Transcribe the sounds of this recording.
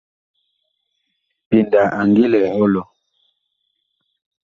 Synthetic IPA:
pi˨nda˨ʔa˨ŋɡi˦lɛ˨ɔ˦lɔ˨

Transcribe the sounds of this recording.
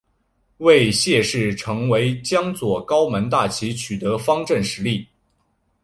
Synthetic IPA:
we˥˧ɪɕjɛ˥˧ʂɻ̩˥˩ʈ͡ʂʰɤ˧˥ŋwe˧˥ɪt͡ɕjɑ˥ŋt͡swɔ˨˩kɑ˥ʊmə˧˥nt̪̬a˥˩t͡ɕʰi˧˥t͡ɕʰy˨˩t̪ɤ˧˥fɑ˥ŋʈ͡ʂə˥˩nʂɻ̩˧˥li˥˩

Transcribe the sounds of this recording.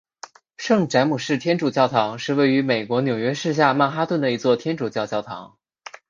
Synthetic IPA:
ʂɤ˥˩ŋʈ͡ʂa˧˥ɪmu˨˩ʂɻ̩˥˩t̪ʰjɛ˥nʈ͡ʂu˨˩t͡ɕjɑ˥˩ʊt̪ʰɑ˧˥ŋʂɻ̩˥˧we˥˩ɪy˧˥me˨˩ɪkwɔ˧˥njo˨˩ʊɥɛ˥ʂɻ̩˥˧ɕ̬ja˥˧ma˥˩nxa˥t̪wə˥˩nd̪ə˩i˧˥t͡swɔ˥˩t̪ʰjɛ˥nʈ͡ʂu˨˩t͡ɕjɑ˥˧ʊt͡ɕjɑ˥˩ʊt̪ʰɑ̰˧˥ŋ

